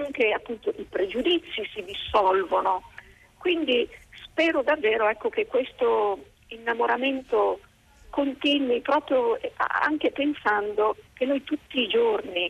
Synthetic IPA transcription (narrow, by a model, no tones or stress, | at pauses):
aŋkeapːunt̪oʔipɾed͡ʒud̪it̪sːisid̪isːɔlvono | kwind̪ispɛːɾod̪avːɛːɾoɛkːokekːwest̪o | inːamoɾament̪o | kont̪inwipɾɔːpɾjoɛ̰a̰ŋkepensand̪ok̟enːojt̪ut̪ːiːd͡ʒorni